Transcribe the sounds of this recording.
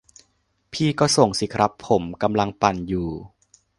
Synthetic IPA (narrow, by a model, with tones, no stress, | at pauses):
pʰiː˥˧˩kɔː˥˩so˨˩ŋsi˨˦kʰɾa˦˥pʰːo˩˦mka˧mla˧ŋpa˨˩njuː˨˩